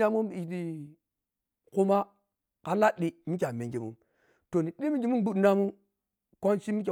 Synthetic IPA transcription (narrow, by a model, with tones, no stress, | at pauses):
a˦mu˦mi˨di˨ | ku˦ma˦ | ka˨˦la˦ɗi˦mi˦k̬ʲa˨me˨ŋɡe˨mṵ˦m | to˨ni˨ɗi˦mi˦ɡi˨˦mu˦nbu˦dna˦mu˦ | kʷo˦nt͡ʃi˦mi˦k̬ʲe˨